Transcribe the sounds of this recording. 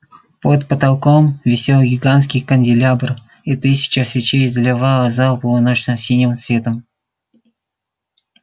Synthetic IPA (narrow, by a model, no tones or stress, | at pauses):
pot̪pət̪ɐlˠkomvʲɪsʲelˠɡʲɪɡanskʲijkənʲdʲɪlʲabr | it̪ɨsʲɪ̥t͡ɕɐsvʲɪt͡ɕejzəlʲɪvaəzalˠpəvɨnot͡ɕnəsʲinʲɪmsvʲet̪əm